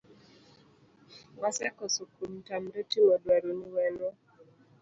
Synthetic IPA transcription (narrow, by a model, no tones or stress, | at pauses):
wasɛkɔsokumtamdotimɔdwaɾoniwɛno